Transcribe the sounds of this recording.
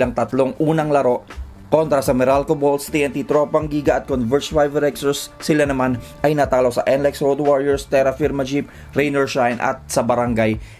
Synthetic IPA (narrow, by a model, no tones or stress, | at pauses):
aŋt̪ɐt̪lo̞ŋʔuːnɐŋlɐɾo̞ʔ | ko̞nt̪ɾɐsɐmɛɾalkobolst̪iːʔɛnt̪it̪ɾopɐŋɡiːɡɐʔɐt̪̚konvɛɹt͡ʃfajvɛɾɛksɔɹsːɪlanɐman | ʔɐjnɐt̪aːlosɐʔɛnlɛksɹod̪waɹjɛɹst̪ɛɾɐfiɾmɐd͡ʒip̚ | ɾɛjnɛɹʃajnʔɐ̰t̪̚sɐbɐɾɐŋɡaj